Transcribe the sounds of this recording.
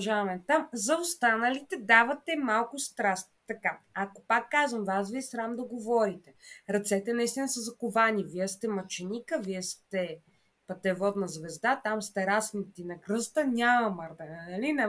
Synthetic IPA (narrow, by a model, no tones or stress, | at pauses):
ʒaɐmɛt̪amzɐost̪anəlit̪ɛd̪avɐt̪ɛmalˠkʊst̪ɾast̪̚t̪ɐkaɐko̥pakːazvɐmvasviɛsɾamd̪ɐɡovɔɾit̪ɛɾɐt̪sɛt̪ɛnɐist̪inəsɐzɐkovaniviɛst̪ɛmɐt͡ʃɛnʲikəviɛst̪ɛ | pɐt̪ɛvɔd̪nɐzvɛzd̪at̪amst̪ɛɾasnit̪inɐkɾɤst̪ənʲamɐmɐɾd̪ɛnɐlinɐ